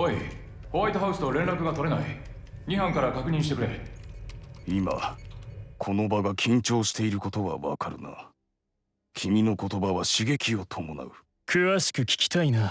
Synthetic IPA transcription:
oi | hoβait̪oɦa̟sɨ̥t̪oɾẽnɾakɯ̟ɡat̪o̞ɾe̞nai | ɲ̟iɦãŋkaɾakakɯ̟ɲ̟ĩɕit̪e̞kɯɾe̞ | ima̰ | kʰo̞no̞baɡakʲʰĩɲ̟t͡ɕo̞ːɕi̥t̪e̞iɾɯ̟ko̞t̪o̞βa̰βa̰kaɾɯ̟na̰ | kʲʰimʲino̞ko̞t̪o̞baβaɕiɡe̞kʲio̞t̪ʰo̞mo̞na̰ɯ̟ | kʰɯ̟βaɕi̥kɯ̟kʲi̥kʲi̥t̪aina

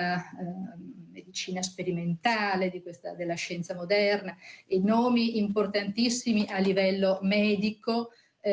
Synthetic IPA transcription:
a | med̪it͡ʃiːnaspeɾiment̪aːled̪ikwest̪a̰d̪elːaʃɛnt̪samod̪ɛrnaenɔːmiimport̪ant̪isːimiʔalːivɛlːomɛːd̪iko

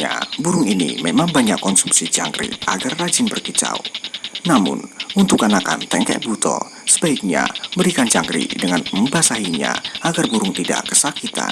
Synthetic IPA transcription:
ɲa̰buɾʊŋinḭmemaŋbaɲakːɔnsumsid͡ʒaŋɡɾḭʔaɡarːad͡ʒɪnbərkit͡ʃa̰wnamʊ̰nunt̪ʊkanakant̪ɛŋkɛ̰ʔ̚but̪ɔ̰ | sə̥baik̚ɲa̰bəɾikand͡ʒaŋɡɾḭdəŋanməmbasaɦiɲa̰ʔaɡarbuɾʊŋt̪ida̰kəsakit̪a̰n

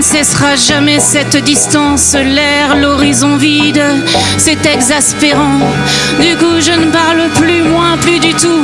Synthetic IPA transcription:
sɛsʁaʒamɛsɛt̪d̪ist̪ɑ̃slɛʁlɔʁizɔ̃vid̪ | sɛt̪ɛɡzaspeʁɑ̃ | d̪ykuʒənəpaʁləplymwɛ̃plyd̪yt̪u

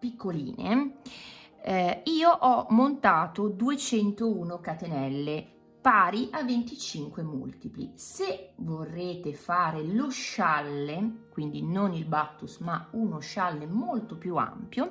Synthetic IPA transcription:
pikʰːolḭːnḛ | iːoʔɔmːont̪aːt̪od̪uet͡ʃɛnt̪ouːnokat̪enɛlːe | paːɾiʔavːent̪it͡ʃiŋkwemṵlt̪iplḭsevorːeːt̪efaːɾeloʃalːekwind̪inonilbat̪ːusmaunoʃalːemolt̪opjua̰mpjo

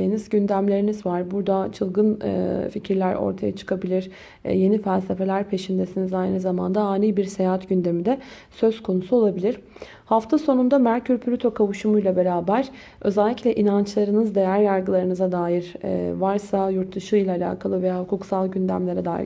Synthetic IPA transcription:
enizɟynd̪æmlʲe̞ɾinizvaɾbuɾd̪at͡ʃʰɯlˠɡɯn̰ficʰiɾlʲæɾʔo̰ɾt̪ʰaja̰t͡ʃʰɯ̥kʰabilʲiɾ̥ | je̞nifælʲse̞fe̞lʲæɾpʰe̞ʃind̪e̞sinizajnɯzamand̪aaːniːbiɾse̞jaɦat̪ɟynd̪e̞mid̪ɛsø̞z̥kʰo̞nusuo̞lˠabilʲiɾ̥ | haft̪ʰaso̞nund̪amæɾcʰyɾpʰyɾʲyt̪ʰo̞kʰavuʃumujlˠabe̞ɾaːbæɾ̥ | ø̞zɛlʲːiclʲɛʔinant͡ʃlˠaɾɯnɯzd̪e̞jæɾjaɾɡɯlˠaɾɯnɯzad̪aːjiɾ̰vaɾsajuɾt̪ʰːɯʃɯjlˠaːlʲa̰ːkʰalˠɯvejaːhukʰuksalˠɟynd̪æ̰mlʲe̞ɾɛd̪a̰ːjḭ

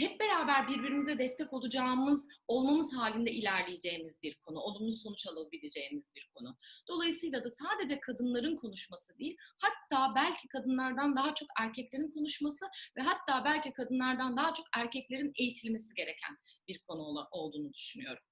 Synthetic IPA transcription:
hɛp̚be̞ɾaːbæɾbiɾbiɾimizɛd̪ɛst̪ʰɛco̞lˠud͡ʒaːmɯzo̞lˠmamɯzɦaːlʲind̪ɛʔilʲæɾlʲijid͡ʒe̞jimizbiɾkʰo̞nuonˠunuso̞nut͡ʃalˠabilʲed͡ʒe̞jimizbiɾkʰo̞nud̪̥o̞lˠajɯsɯjlˠad̪asaːd̪e̞d͡ʒɛkʰad̪ɯnlˠaɾɯnkʰo̞nuʃmasɯd̪ijilʲhat̪ʰːaːbælʲcʰikʰad̪ɯnlˠaɾd̪and̪aɦat͡ʃʰo̞kæɾcʰɛclʲe̞ɾinkʰo̞nuʃmasɯvɛɦat̪ʰːaːbælʲcikʰad̪ɯnlˠaɾd̪and̪aɦat͡ʃʰo̞kæɾcɛclʲe̞ɾine̞jit̪ʰilʲme̞siɟe̞ɾe̞cʰæ̰nbiɾkʰo̞nuo̞lˠd̪uːnud̪yʃynyjo̞ɾum

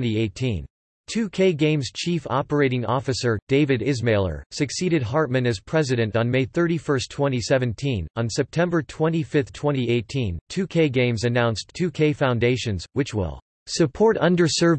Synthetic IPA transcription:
nieɪtʰĩn | tʰʉkʰeɪɡẽɪ̃mz̥t͡ʃʰifɑ̰pə˞eɪɾɪ̃ŋɔfɨsə˞d̥eɪvɨɾɪzmeɪlˠə̰˞sɨksiɾɨd̚ɦɑɹt̚mɨ̃nɨz̥pʰɹ̥ɛzɨɾɨ̃ntn̩meɪθɜ˞ɾifɜ˞stʰw̥ɛ̃ɾ̃isɛvɨ̃ntʰĩnə̃nsɛp̚tʰɛ̃mbə˞tʰw̥ɛ̃ñifɪθtʰw̥ɛ̃ñieɪtʰĩntʰʉkʰeɪɡẽɪ̃mzɨnãʊ̃nstʰʉkʰeɪfãʊ̃ndeɪʃɨ̃nzwɨt͡ʃwɪ̰lˠ | sɨpʰɔɹɾʌ̃ndə˞sɜ˞v

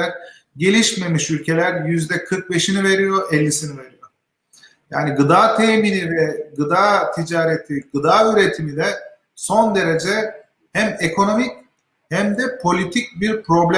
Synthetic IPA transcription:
ɾ | ɟe̞lʲiʃme̞miʃylʲcʰe̞lʲæɾjyzd̪ɛkʰɯɾk̚be̞ʃinive̞ɾijo̞ʔɛlʲːisinive̞ɾijo̞ | ja̰ːniɡɯd̪aːt̪ʰeːminivɛɡɯd̪aːt̪ʰid͡ʒaːɾet̪ʰiɡɯd̪aːyɾe̞t̪ʰimid̪ɛ | so̞nd̪e̞ɾe̞d͡ʒɛ | hæmekʰo̞no̞mic | hæmd̪ɛpʰo̞lʲit̪ʰic̚biɾpɾo̞blʲɛ

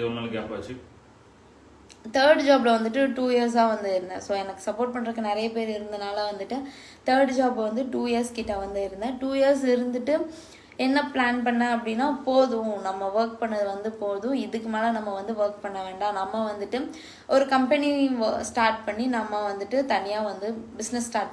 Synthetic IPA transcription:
ɪʋɐmɐlɐkaːpaːt͡ʃːɯ | t̪ɐːɾɖd͡ʒaːblɐʋɐnd̪ɯʈ̬ːɯʈuːjɐɾs̬aːʋɐnd̪ɯɪɾɯnd̪ɐ̰̃soːɛnɐkːɯ̥sɐpoːɾʈ̚pɐɳːɪɾɯkːɯnɪɾɐjɐpeːɾɪɾɯnd̪ɐnaːlɐʋɐnd̪ɯʈːɯ | t̪ɐːɾɖd͡ʒaːbʋɐnd̪ɯʈuːjɪjɐɾskiːʈːɐʋɐnd̪ɯɪɾɯnd̪ɐ̃ːʈuːjɐɾs̬ɪɾɯnd̪ɯʈːɯ | ɛnːɐplaːnpɐɳːɐɐpːɐɽɪnːaːpoːðʊ̃nɐmːɐʋɐɾk̚pɐɳːɐðɯʋɐnd̪ɯpoːðʊ̃ɪðɯkːɯmeːlɐnɐmːɐʋɐnd̪ɯʋɐɾk̚pɐɳːɐʋeːɳɖaːnɐmːɐʋɐnd̪ɯʈːɯ | ʔɔɾɯkɐmpɛnisʈaːɾʈpɐɳːinɐmːɐʋɐnd̪ɯʈːɯt̪ɐnɪjaːʋɐnd̪ɯbɪsnɛsːʈaːɾʈ̚pɐ

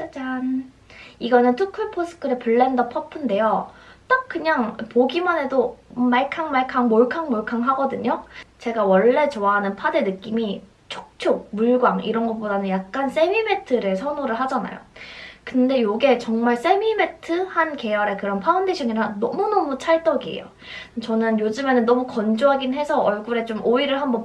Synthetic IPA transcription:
t͡ɕan | iɡʌnɯntʰukʰuɭpʰosʰɯ̥kʰɯɾepɯɭːendʌpʰʌpʰɯnde̞jot͈ak̚k͈ɯɲaŋpoɡimane̞domaɭkʰaŋmaɭkʰaŋmoɭkʰaŋmoɭkʰaŋɦaɡʌdɯɲot͡ɕe̞ɡawʌɭːe̞t͡ɕoaɦanɯnpʰadenɯk͈imi | t͡ɕʰo̥k̚t͡ɕʰok̚muɭɡwaŋḭɾʌnɡʌp͈odanɯnjak̚k͈ans͈e̞mimetʰɯɾesʰʌnoɾɯɭɦad͡ʑana̰jo̰kɯnde̞joɡe̞t͡ɕʌŋmaɭs͈e̞mime̞tʰɯhanke̞jʌɾe̞kɯɾʌnpʰaundeɕʰʌŋiɾannʌmunʌmut͡ɕʰaɭt͈ʌɡiḛjo̰ | t͡ɕʌnɯnjod͡ʑɯme̞nɯnːʌmukʌnd͡ʑoɦaɡinɦe̞sʰʌʔʌɭɡuɾe̞t͡ɕomʔoiɾɯɭɦambʌn

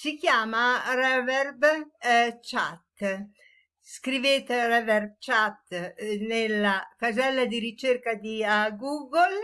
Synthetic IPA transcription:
sikjaːmarɛvɛrb | t͡ʃa̰t̪ː | skɾiveːt̪erɛvɛrb̚t͡ʃat̪ːnelːakazɛlːad̪iɾit͡ʃerkad̪iaɡuːɡol

